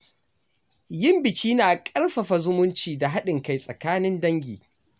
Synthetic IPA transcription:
jɪ˦mbɪ˨t͡ʃʲiː˦naː˨kʼɐ˦rɸɐ˨ɸa˨zʊ˦mʊ˦nt͡ʃiː˨da˨ɦa˦ɗɪ˨ŋka˨jsʼɐ˨kaː˦nɪ˦ndɐ˦ŋɡʲḭː˨

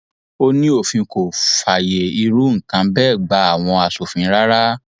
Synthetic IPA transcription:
o˦nĩ˦o˦˨fĩ˧ko˨fa˨je˨i˧ɾu˨˦ŋ̩˨kã˨˦bɛː˦˨ɡ͡ba˧˦a˦˨w̃ɔ̃˧a˧so˨fĩ˨˧˦ɾa˦ɾa˦

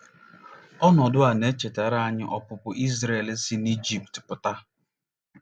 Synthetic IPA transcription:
ɔ˦nɔ˨dʊ˦a˨ne˦t͡ʃe˨ta˨ɾa˦ɲɪ˦ʔɔ˦pʊ˨pʊ˨ʔi˦zɾe˨lsi˦ni˦d͡ʒi˨ptpʊ˨ta˦

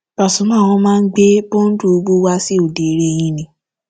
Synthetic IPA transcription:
ba˨sũ˨˦mã˦˨w̃ɔ̃˧˦mãː˦˧n̩˦ɡ͡be˦bo˦n̩˦du˦o˧ɡ͡bu˦wa˦si˦o˦˨de˨ɾe˦˨j̃ĩ˦nĩ˧˦

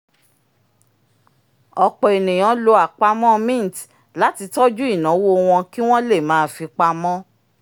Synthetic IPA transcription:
ɔ˧k͡pɔ˨e˨nĩ˨j̃ã˨˦lo˧a˨k͡pa˧mɔ̃˦mĩ˦˨t | la˨˦ti˧tɔ˦d͡ʒu˦i˦˨nã˨˦wo˦˧w̃ɔ̃˧ki˦w̃ɔ̃˦le˦˨mãː˨˦fi˧k͡pa˧mɔ̃˦

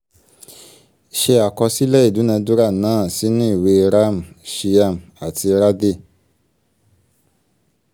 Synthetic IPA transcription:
ʃe˧a˨kɔ˧si˦lɛ˦i˦˨du˨˦nɛ̃˧du˦ɾa˦˨nãː˨˦˨si˦nĩ˦i˦˨we˧ɾa˦˨m̩˨ʃi˧a˧˨m̩˨a˨ti˧ɾa˦de˦˨

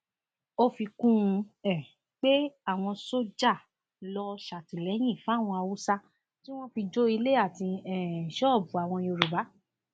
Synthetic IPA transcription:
o˧fi˧kũ˦˧ɛ˨ | k͡pe˦a˦˨w̃ɔ̃˧so˦d͡ʒa˦˨ | lɔ˧ʃa˨tĩ˨lɛ˨˦j̃ĩ˦˨fw̃ɔ̃˧a˧wu˦sa˧ | tĩ˦w̃ɔ̃˦fi˧d͡ʒo˦i˧le˦a˦˨tĩ˧ɛ˨ʃɔ˦˨bu˨a˨w̃ɔ̃˧o˧ɾu˨ba˨˦

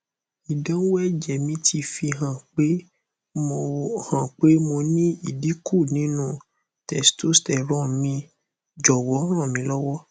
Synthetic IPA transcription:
i˨dã˨˦wɛ˦˨d͡ʒɛ˨mĩ˧˦tʰi˧fi˧ɦã˨k͡pe˦ | mõ˧hã˨k͡pe˦mõ˧nĩ˦i˨di˨˦kʰu˦˨nĩ˨˦nũ˦ | tɛ˨sto˦stɛ˨ɾ̃ɔ̃˦mĩ˧ | d͡ʒɔ˨wɔ˨˦ɾ̃ɔ̃˦˨mĩ˧lɔ˦wɔ˦

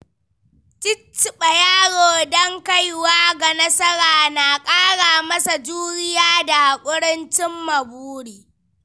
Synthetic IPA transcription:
t͡ʃɪ˦t͡ʃːɪ˨ɓɐ˨jaː˦ɽoː˨dɔ˦ŋka˦jwaː˦ɡa˨nɐ˦sɐ˦ɾaː˨na˨kʼaː˦ɽaː˨mɐ˦sa˨d͡ʒuː˦ɾɪ˦jaː˦da˨kʷʼʊ˦ɽɪ˦nt͡ʃɪ˦mːɐ˨buː˦ɽiː˨

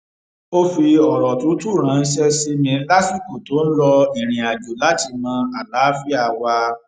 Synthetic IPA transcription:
o˦fi˧ɔ˨ɾɔ˨tũ˨˦tu˦˨ɾ̃ã˨˦˧n̩˦ʃɛ˦si˧mĩ˧˦la˦fi˦˨ko˨to˨˦n̩˦lɔ˧i˨ɾ̃ĩ˨a˨d͡ʒo˨la˦ti˧mã˧a˨laː˨˦fi˦a˦˨wa˧

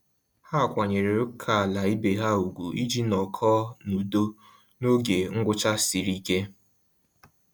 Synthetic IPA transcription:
ha˦˨kʷa˨ɲe˨ɾe˨ɾʊ˦kʰa˨a˨la˨i˦be˨ɦa˦u˨ɡʷu˨i˦d͡ʒi˦nɔ˨kʰɔ˦nu˨do˦ | no˦ɡe˨ŋ̩˦ɡʷʊ˦t͡ʃa˦si˨ɾi˦ke˦

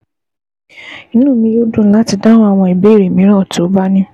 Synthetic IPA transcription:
ĩ˦nũ˦˨mĩ˧jo˦dũ˦˨˦la˦ti˧da˦ɾ̃ɔ̃˦a˦˨w̃ɔ̃˧˨i˨be˨˦˨ɾe˨mĩ˨˦ɾ̃ɔ̃˦˨to˨˦ba˦nĩ˦

